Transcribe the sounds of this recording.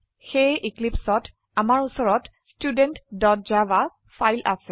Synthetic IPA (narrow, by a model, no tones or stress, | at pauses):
xejʔiklipsɔt | amaɹusɔɹɔt | studentdɔt̚d͡ʒaba | fʰajlʔa̰sɛ